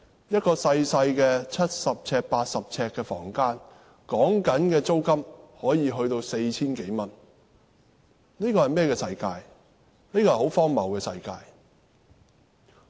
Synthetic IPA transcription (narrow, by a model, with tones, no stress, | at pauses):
jɐ˥t̚kɔː˧sɐ˧jsɐ˧jkɛː˧t͡sʰɐ˥t̚sɐ˨p̚t͡sʰɛː˧˥k̚paː˧t̚sɐ˨p̚t͡sʰɛː˧kːɛː˧fɔ̰ː˨˩ŋkaː˥n | kɔː˨˥ŋkɐ˨˥nkɛː˧t͡so˥wkɐ˥mhɔː˨˥jiː˨˧ɦɵ˧ɥt̪o˧wse˧jt͡sʰiː˥nke˨˥jmɐ˨n | niː˥kɔː˧hɐ˨jmɛː˥kɛː˧sɐ˧jkaː˧j | niː˥kɔː˧˨˩ho˨˥wfɔː˥ŋmɐ̰˨˩wkɛː˧sɐ̰˧jkaː˧j